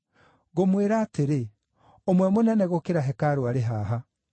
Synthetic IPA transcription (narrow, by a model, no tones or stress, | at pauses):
ɣomweɾaːteɾe | omwɛmonɛnɛɣokeɾaɦɛkaɾoaɾeɦaːɦa